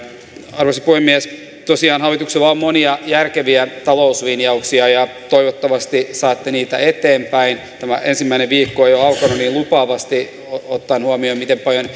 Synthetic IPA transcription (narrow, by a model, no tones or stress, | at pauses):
ɑrʋosipuhemːiæs | t̪osiɑːnhɑʋːit̪ukselɑommoniɑjærkeʋiæt̪ɑlousʋinjɑuksiɑjɑ | t̪oiʋot̪ːɑʋɑst̪isɑːt̪ːeniːt̪æ̰et̪eːmpæin | t̪æmæ̰ʔensimːæineʋʋiːkːoejoɑukonuniːlupɑːʋɑst̪i | oot̪ːɑnhuɑmiomit̪empɑljon